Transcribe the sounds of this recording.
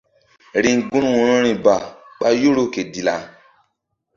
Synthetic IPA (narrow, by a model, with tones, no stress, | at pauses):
ɾĩ˧ŋ˨ɡũ˦ɾũ˦ɔ̃˧ɾ̃ɔ̃˦ɾ̃ĩ˧ba˨k͡pa˧jo˦ɾo˦ke˨di˧la˧